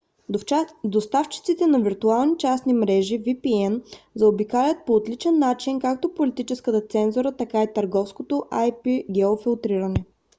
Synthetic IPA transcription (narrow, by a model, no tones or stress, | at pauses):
d̪ost̪aft͡ʃi̥t̪sit̪ɛnɐviɾt̪ualˠnit͡ʃasnimɾɛʒivipiɛnzɐobikalʲət̪̚poːt̪lit͡ʃɛnːat͡ʃinkak̚t̪opolit̪it͡ʃɛskət̪ət̪sɛnzuɾət̪ɐkait̪ɐɾɡɔfskot̪oʔajpiɡ̟ɛofilˠt̪ɾiɾɐnɛ